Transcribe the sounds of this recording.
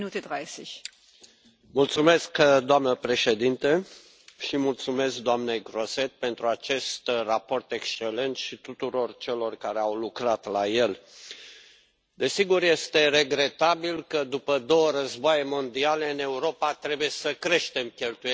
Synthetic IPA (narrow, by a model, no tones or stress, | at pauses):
nuːtədʁaɪsɛç | mult̪sume̞skd̪oamnəpɾe̞ʃe̞d̪int̪e | ʃimult̪sume̞sk̚d̪oamne̞jɡɾo̞se̞t̪̚pe̞nt̪ɾuat͡ʃe̞st̪rapo̞rt̪e̞kst͡ʃe̞le̞nt̪ʃit̪ut̪uɾo̞rt͡ʃe̞lo̞rkaɾe̞awlukɾat̪laje̞l | d̪e̞siɡurje̞st̪e̞re̞ɡɾe̞t̪abilkəd̪upəd̪o̞wəɾəzboajemo̞nd̪ialeɨne̞uɾo̞pat̪ɾe̞buje̞səkɾe̞ʃt̪e̞mkʲe̞lt̪uj